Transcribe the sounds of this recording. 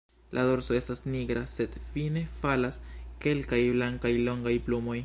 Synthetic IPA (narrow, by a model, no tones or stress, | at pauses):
lʔa̰do̞ɾso̞e̞stasniɡɾase̞d̥fine̞falaske̞lkajblaŋkajlo̞ŋɡajplumo̞j